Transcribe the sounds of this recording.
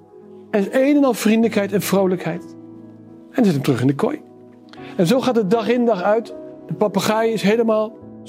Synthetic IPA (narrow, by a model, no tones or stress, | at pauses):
ɛnsejvənɑlˠv̥rindələkɦɛjtɛnv̥rowləkɦɛjt | ɛnzɛtəmtrɵχɪndəkɔ̰j | ɛnzowχaːt̚dədɑχɪndɑχœɥtdəpɑpaχaːjɪsɦejləmaːlˠ